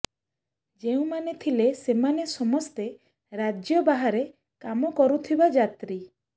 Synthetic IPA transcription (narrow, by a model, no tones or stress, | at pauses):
d͡ʒeũmanet̪ʰilesemanesɔmɔst̪e | ɾad͡ʒjɔbaɦaɾe | kamɔkɔɾut̪ʰibad͡ʒat̪ɾi